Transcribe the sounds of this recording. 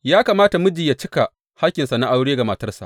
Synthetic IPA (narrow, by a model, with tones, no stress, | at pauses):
jaː˦kaː˨maː˦ta˨mʊ˦d͡ʒɪ˨ja˨t͡ʃɪ˦ka˨ | ha˦kʲːɪ˨nsa˨na˦ʔa˦wɽeː˦ɡa˨ma˨tɐ˦rsa̰˨ʔ